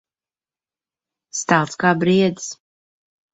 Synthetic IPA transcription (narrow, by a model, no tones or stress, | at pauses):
st̪alˠt̪skaːbɾiɛd̪s